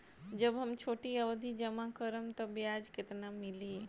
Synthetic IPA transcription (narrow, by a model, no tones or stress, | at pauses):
d͡ʒəbɦəmt͡ʃʰoːʈiəʋd̪ʱid͡ʒəmakəɾəmt̪əbjad͡ʒket̪namili